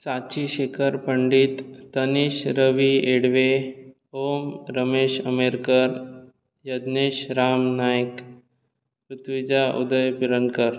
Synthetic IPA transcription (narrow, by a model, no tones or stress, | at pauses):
sat͡ɕiɕekʰəɾpəɳɖiːt̪ːəniɕɾəʋieɽʋe | omɾəmeɕəmeɾkəɾ | jəd̪neɕɾamnajk | pɾut̪ʰʋid͡ʑaʔṵd̪əjpiɾənkəɾ